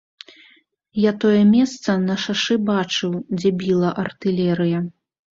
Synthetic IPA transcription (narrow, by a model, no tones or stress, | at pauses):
jat̪ɔjɛmʲɛst̪sɐnɐʂaʂɨbat͡ʂɨwd͡zʲɛbʲilˠɐʔɐrt̪ɨlʲɛɾɨjɐ